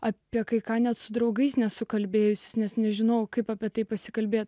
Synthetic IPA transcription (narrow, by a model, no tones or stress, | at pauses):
ɑpʲiɛkɐɪkɑːnʲɛt̪sʊd̪ɾɐʊɡɐɪsnʲɛsʊkɐlʲbʲeːjʊsʲɪ̥snʲɛsnʲɛʒʲɪnɐʊkɐɪpaːpʲiɛt̪ɐɪpɐsʲɪkɐlʲbʲeːt̪